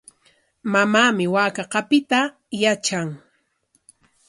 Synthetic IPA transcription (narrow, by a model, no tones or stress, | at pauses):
mamaːmɪwaːkɑqɑpɪt̪a | jat͡ʃaŋ